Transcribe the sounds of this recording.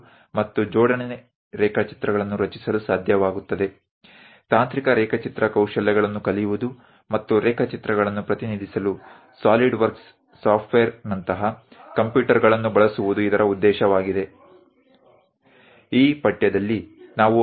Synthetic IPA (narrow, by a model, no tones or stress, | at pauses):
mɐt̪ːud͡ʒɔːɖɐnene | ɾɛːkʰɐt͡ʃi̥t̪ɾɐɡɐɭɐnːuɾɐt͡ʃi̥sɐlusaːd̪ʱjɐʋaːɡut̪ːɐd̪e̞ | t̪aːnt̪ɾikɐɾɛːkʰɐt͡ʃit̪ɾɐkɐwʃɐlːɛɡɐɭɐnːukɐlijuʋud̪u | mɐt̪ːuɾɛːkʰɐt͡ʃit̪ɾɐɡɐɭɐnːupɾɐt̪iniːd̪ʱisɐlu | saːliɖʋɐɾks | saːpʈʋejɐɾnɐnt̪ɐɦɐkɐmpjuːʈɐɾɡɐɭɐnːubɐɭɐsuʋud̪uid̪ɐɾʔɐud̪ːɛːʃɐʋaːɡid̪e̞ | iːpɐʈjɐd̪ɐlːinaːʋu